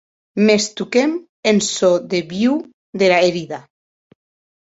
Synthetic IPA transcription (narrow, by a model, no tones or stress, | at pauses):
mest̪ukem | ensoðeβiw | d̪elaeɾiða